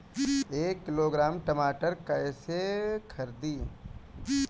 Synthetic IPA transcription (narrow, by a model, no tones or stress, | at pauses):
eːkːɪloːɡɾaːmʈɐmaːʈəɾkɐsekʰɐɾd̪iː